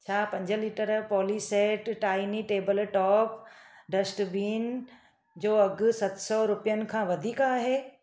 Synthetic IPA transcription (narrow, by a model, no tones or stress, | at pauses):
t͡ɕʰaːpɐ̃ɲd͡ʑəliːʈəɾpɔːliseːʈʈaːɪniʈeːbəlʈɔːpɖɐsʈbiːn | d͡ʑoːɐɡsɐt̪sɔɾʊpijənɪ̆kʰãːʋɐd̪ʱiːkaːɦeː